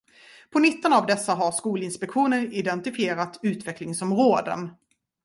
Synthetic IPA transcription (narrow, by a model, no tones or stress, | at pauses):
pʰɔnɪt̪ːənavd̪ɛsːaɦaɾʂkuːlɪnspɛkɧuːnəɾɪd̪ɛnt̪ɪfɪjeːɾat̪ʉ̟ːt̪vɛklɪŋsɔmɾoːd̪ə̰n